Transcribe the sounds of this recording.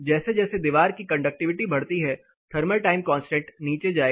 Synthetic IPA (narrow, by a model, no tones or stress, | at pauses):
d͡ʒɛːsed͡ʒɛːsed̪iʋaːɾkikɐ̃ɳɖək̚ʈɪʋɪʈibʱɐɽt̪iɦɛ | t̪ʰɐɾməlʈaːɪmkɔ̃ːnsʈẽːʈniːt͡ʃed͡ʒaːe